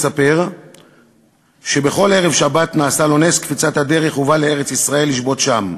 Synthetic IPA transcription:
sape̞ʁ | ʃe̞beχo̞le̞ʁevʃabat̪naːsalo̞ne̞skfit͡sat̪had̪e̞ʁe̞χuvaleeʁe̞t͡sisʁae̞lːiʃbo̞t̪ʃam

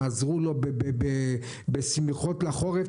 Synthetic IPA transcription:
azʁulo̞bebebe | besmeχotlaχo̞ʁe

